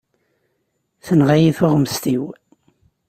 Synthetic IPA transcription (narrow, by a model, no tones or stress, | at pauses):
θənʁajiθʊʁməst̪iw